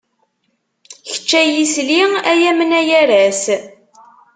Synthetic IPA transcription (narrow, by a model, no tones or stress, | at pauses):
çə̥t͡ʃːæjisliæjæmənæjæɾæs